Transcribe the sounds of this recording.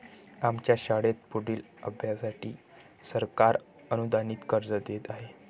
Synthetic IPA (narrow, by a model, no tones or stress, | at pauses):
amt͡ɕjaɕaɽet̪̚puɽiːl | əbʱjasaʈḭː | səɾkaɾ | ənud̪aniːt̪kəɾd͡zəd̪et̪aɦe